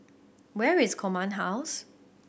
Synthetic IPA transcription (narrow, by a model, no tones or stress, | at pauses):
wɛɹɪskʰɔmãnɦaʊs